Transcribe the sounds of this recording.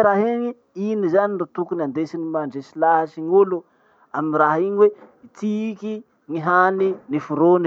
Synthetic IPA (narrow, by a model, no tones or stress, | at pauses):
ɾaɦeɲi | inizaninɖ͡ʐot̪ukunand̪esinimaɳɖ͡ʐesilaasiŋolu | aminraɦiɲiweit̪iki | ŋiɦaninifuɾon